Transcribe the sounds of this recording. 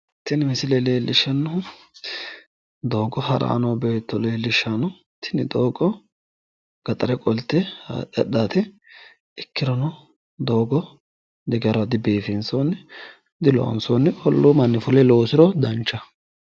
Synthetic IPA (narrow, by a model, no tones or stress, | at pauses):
t̪ːɪnɪmɪsɪlɛleːlːɪʃɐnːʊ | d̪o̞ːɡɔɦɐɾa̰ːnɔbeːt̪ːɔleːlːɪʃːɐnʊ | t̪ʰɪnɪd̪oːɡɔ | ɡ̥ɐt̪ʼɐɾɛkʼɔlt̪ːɛ̰ɛ̰ɗːaːt̪ɪ | ɪkːɪɾɔnɔ | d̪oːɡɔ | d̪ɛɡjɐɾɐd̪ɪbeːfɪnsonːɪ | d̪ɪlɔ̰ʔɐ̰nsonːɪʔɔlːomɐnːɪfʊlɛloːsɪɾɔd̪ɐnt͡ʃːɐ